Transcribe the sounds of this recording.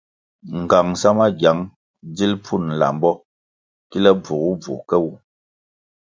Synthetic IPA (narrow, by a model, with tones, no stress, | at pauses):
ŋ̩˨ɡa˨ŋsa˦ma˦ɡja˨˦ŋ | d͡zi˦lpʰu˦˨n̩˨la̰˨m˦bɔ˦ | ki˦lɛ˦b͡vu˨ɣu˦b͡vṵ˨kɛ˦wu˨